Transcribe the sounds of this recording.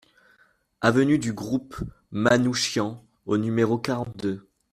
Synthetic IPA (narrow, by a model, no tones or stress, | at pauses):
avənyd̪yɡʁup | manuʃjɑ̃ | onymeʁokaʁɑ̃t̪̚d̪d̪ø